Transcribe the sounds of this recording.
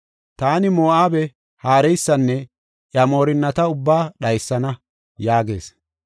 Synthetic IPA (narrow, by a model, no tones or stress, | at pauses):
t̪aːnɪmoːʔaːbɛ | haːɾɛjsːɐnːɛ | ʔjɐmo̞ːɾɪnːɐt̪ɐʊbːaːɗɐjsːɐnɐ | jaːɡe̞̰ːs